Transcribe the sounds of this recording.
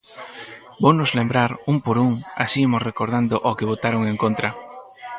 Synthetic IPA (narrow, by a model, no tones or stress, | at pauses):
bownʊzlembɾaɾumpoɾuŋa̰simosrekoɾðand̪oʔokɪβ̞ot̪aɾoŋẽŋkont̪ɾɐ